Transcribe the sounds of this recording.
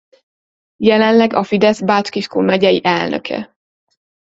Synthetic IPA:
jɛlɛnlɛɡɒfid̪ɛzbat͡ʃkiʃkoːmɛɟɛjiʔɛlnø̰kʰɛ̰

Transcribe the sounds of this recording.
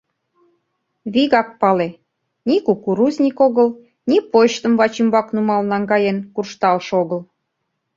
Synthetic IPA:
βiɣɑk̚pɑle | nʲikukuɾuzʲnʲikoɣəl | nʲipoʃt̪ə̆mβɑt͡ɕimbɑknumɑlnɑŋɡɑjenkurʃt̪ɑlʃoɣəl

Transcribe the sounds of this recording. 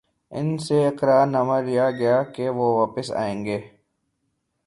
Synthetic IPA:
ɪ̰nseɪkɾaːɾnɐməɾlijaɡɐjakeʋoʋaːpəsa̰ːẽːŋɡeː

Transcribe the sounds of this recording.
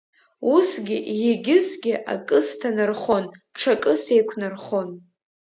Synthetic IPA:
usɡʲɪʔjeɡʲɪsɡʲɪʔa̰kʼɨstʰanɨrχo̞nʈ͡ʂʰakʼɨse̞jkʷʰnarχo̞n

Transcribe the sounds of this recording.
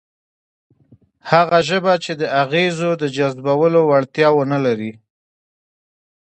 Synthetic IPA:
haɣaʒəbat͡ʃed̪əʔaɣezod̪əd͡ʒazbawəlowaɽt̪jɑwənalaɾi

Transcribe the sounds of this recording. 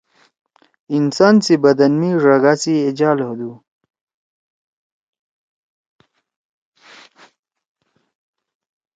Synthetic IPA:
insaːnsibɐd̪ɐnmiɾɐɡaːsied͡ʑaːlhod̪u

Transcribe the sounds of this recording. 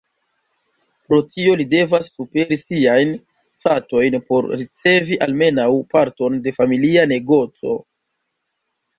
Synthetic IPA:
pɾo̞tʰio̞lide̞vasːupe̞ɾisiajn | fato̞jnpo̞ɾɾit͡se̞viʔalme̞nawpaɾto̞nde̞familiane̞ɡo̞t͡so̞̰

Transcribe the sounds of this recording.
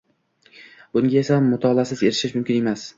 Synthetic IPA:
bʊŋɡʲae̞samːʊt̪ʰɒlˠasɪze̞ɾɪʃɪʃmʊmkʲɪne̞mas

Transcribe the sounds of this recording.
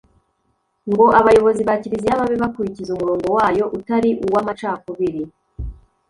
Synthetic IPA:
ŋɡo̞ʔaβajo̞βo̞ziβaciɾiziaβaβeβakuɾicizumuɾo̞ːŋɡo̞waːjo̞ʔutaɾiʔuwamat͡ʃaːkoβiɾi

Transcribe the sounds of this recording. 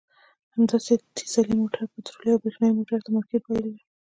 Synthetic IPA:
hamd̪ɑset̪ʰi̥zalimoʈʰaɾpat̪ɾolijawbɾexnɑjmoʈaɾt̪amaked̪̚pajld̪i

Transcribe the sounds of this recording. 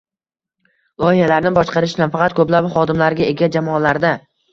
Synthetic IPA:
lˠɒɪhalaɾnɪbɒʃqɑɾɪʃnanfɑqʰɑt̪̚kʰɵplapχɒd̪ɪmlaɾɡʲaeɡʲad͡ʒamɒːlaɾd̪a

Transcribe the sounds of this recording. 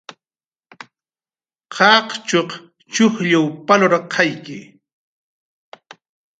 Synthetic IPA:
qʰɑqt͡ʃoq | t͡ʃʊxʎawpaloɾaqʰːɑjkɪ

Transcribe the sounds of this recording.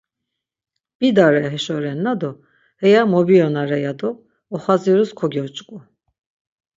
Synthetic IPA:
b̥id̪aɾɛɦɛʃɔɾɛnːad̪ɔ | hɛjamɔbiɔnaɾɛjad̪ɔː | χaziɾuskʰɔɡʲɔɔt͡ʃʼkʼu

